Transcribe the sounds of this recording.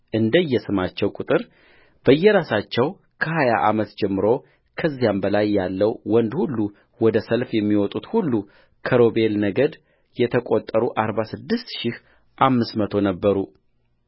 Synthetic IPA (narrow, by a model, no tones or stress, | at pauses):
ʔɨnd̪əjːɛsɨmat͡ʃːɛwkʼut̪ʼɨɾ | b̥əjːɛɾasat͡ʃːɛw | kʰəhaja̰ʔamət̪d͡ʒɛmːɨɾo̞ | kʰəzːijambəlajːalːəwwɔnd̪hulːu | wɔd̪əsəlfjɛmːiwɔt̪ʼut̪hulːu | kʰəɾo̞be̞lnəɡəd̪ | jɛt̪ʰəkʼot̪ʼːəɾuʔaɾbasɨd̪ːɨst̪ʃɪh | ʔamːɨsmət̪ʰo̞nəbːəɾu